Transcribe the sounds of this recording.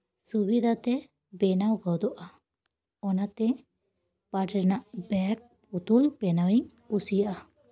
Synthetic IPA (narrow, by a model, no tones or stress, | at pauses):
subid̪ʱat̪ɛ | bɛnawɡɔwd̪ɔʔa | ɔnat̪ɛ | paʈɛɾnaʔbɛk̚put̪ulpɛnawiɲkusijaʔa